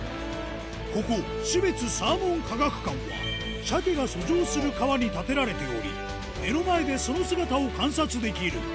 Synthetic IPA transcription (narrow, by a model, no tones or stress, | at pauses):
ko̞ko̞ | ɕibe̞t͡sɨsaːmõ̞ŋkaɡakɯ̟̥kãɰ̃βa̰ | ɕakʲeɡaso̞ʑoːsɨɾɯ̟kaβaɲ̟it̪at̪e̞ɾaɾe̞t̪e̞o̞ɾʲi | e̞no̞mae̞d̪e̞so̞no̞sɨɡat̪ao̞kãɰ̃sat͡sɨd̪e̞kʲiɾɯ̟